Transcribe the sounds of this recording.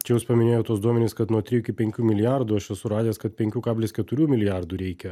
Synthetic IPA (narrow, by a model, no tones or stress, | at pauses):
t͡ʃʲɛjʊspɐmʲɪnʲeːjoːt̪uɔsd̪uɔmʲɛnʲɪːskɐt̪nuɔt̪ʲɾʲɪjuɪkʲɪpʲɛŋʲkʲuːmʲɪlʲɪjaɾd̪uːɐʃjɛsʊɾɑːd̪ʲeːskɐt̪̚pʲɛŋʲkʲuːkɑːbʲlʲeːsʲkʲɛt̪ʊɾʲuːmʲɪlʲɪjaɾd̪uːɾʲɛɪkʲɛ